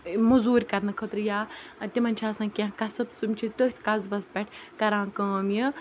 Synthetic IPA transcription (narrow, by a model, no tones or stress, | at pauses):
mɐzuːɾʲkɐɾnɐkʰət̪ɾjaːt̪ʲimɐnʲt͡ʃʰaːsãːkʲãkɐsɐbt͡sumt͡ʃʰit̪ot̪ʲʰkɐzbɐsbʲɐʈʰkɐɾãːkəːmji